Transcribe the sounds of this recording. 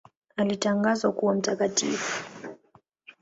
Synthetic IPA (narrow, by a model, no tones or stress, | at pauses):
alitaŋɡazwakuwam̩takatḭfu̥